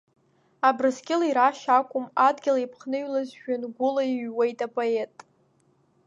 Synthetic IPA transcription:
abrɨsɡʲʼɪlaiɾaʃakʷʼʊmadɡʲɪlaipʰχnɨɥlazʒᶣanɡʷʊlaiɥwe̞jtʼapʼoetʼ

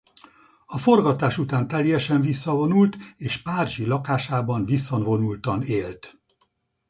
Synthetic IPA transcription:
ɒfo̞rɡɒt̪aːʃut̪aːnt̪ɛljɛʃɛnvisːɒvo̞nult̪eːʃpaːrʒilɒkaːʃaːbɒnvisːonvo̞nult̪ɒneːlt̪

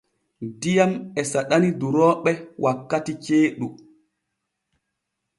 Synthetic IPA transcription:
dijamɛsaɗaniduɾɔːɓɛwʔakːatit͡ʃeːɗu

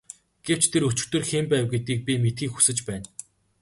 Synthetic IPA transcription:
ɡ̥ew̥t͡ɕt̪ʰeɾɵt͡ɕɪ̆kt̪ɵ̆rxempæːwɡet̪iːk̚pʲimet̪xiːkxu̥sɘ̆t͡ɕpæːn

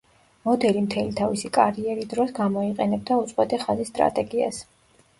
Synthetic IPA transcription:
mɔd̪ɛlimt̪ʰɛlit̪ʰavisikʼaɾiɛɾid̪ɾɔsɡamɔiqʼɛnɛb̚d̪aut̪sʼwɛt̪ʼɛχazisːt̪ʼɾa̰t̪ʼɛɡia̰s

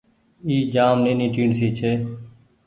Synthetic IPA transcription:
iːd͡ʒaːmnẽːnĩːʈiːɳsiːt͡ʃʰeː

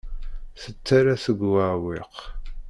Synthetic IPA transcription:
θət͡sːaɾasəɡʷwawɪq

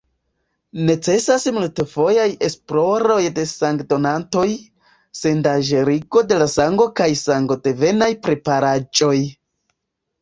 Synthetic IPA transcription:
ne̞t͡se̞sasmultefo̞jaje̞splo̞ɾo̞jde̞saŋɡdo̞nanto̞j | se̞ndaʒeɾiɡo̞de̞lasaŋɡo̞kajsaŋɡo̞de̞ve̞najpɾe̞paɾad͡ʒo̞j

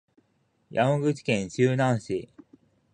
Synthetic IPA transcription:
jʔamõɡɯ̟t͡ɕi̥kẽ̞ɲ̃ɕɨːnãɰ̃ɕi

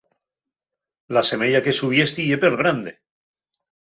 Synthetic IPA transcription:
lase̞me̞ʎake̞suβje̞st̪iʝe̞peɾβɾand̪e

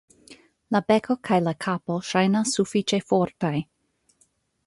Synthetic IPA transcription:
labekʰo̞kʰajlakʰapoʃajnasːufit͡ʃe̞foɾtaj

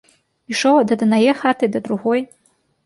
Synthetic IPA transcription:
iʂowd̪ad̪ɨnajɛxatʰɨd̪ad̪ɾuɣoj

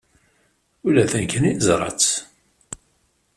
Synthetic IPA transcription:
ulːæθænkəniθəzɾˤɑ̰t͡s

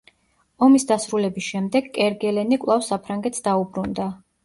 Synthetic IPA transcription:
ɔmisd̪asɾulɛbisʃɛmd̪ɛɡkʼɛɾɡɛlɛnikʼlˠafsapʰɾaŋɡɛt̪sd̪aubɾund̪a

